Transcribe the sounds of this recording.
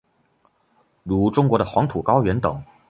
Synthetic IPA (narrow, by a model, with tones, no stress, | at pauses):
ɻu˧˥ʈ͡ʂʊ˥ŋk̬wɔ˧˥ɾə˧xwɑ˧˥ŋt̪ʰu˨˩kɑ˥ʊɥɛ˧˥nt̪ɤ˨˩˦ŋ